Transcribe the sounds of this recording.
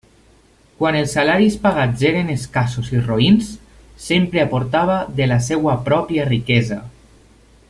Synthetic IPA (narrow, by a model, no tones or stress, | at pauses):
kwanelˠsːalaɾispaɣad͡zzeɾeneskasosiroinsː | empɾeapoɾt̪aβ̞aðelasɛwapɾɔpiarikɛza